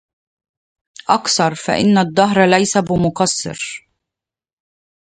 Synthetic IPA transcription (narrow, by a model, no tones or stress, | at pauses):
ʔɑkθɑɾˤfa̰ʔɪ̰nːad̪ˤːɑɦɾˤlajsabɪmʊkɑsˤːɨ̰ɾ